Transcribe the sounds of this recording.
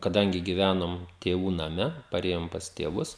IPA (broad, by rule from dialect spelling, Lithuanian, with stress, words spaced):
kɐˈdɐŋʲɡʲɪ ɡʲɪˈʋʲænoːm tʲeːˈʋuː nɐˈmʲɛ pɐˈrʲeːjoːm pɐs tʲeːˈʋʊs